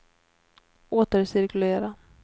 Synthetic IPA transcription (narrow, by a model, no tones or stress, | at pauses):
oːt̪əɾsɪɾkɵleːɾa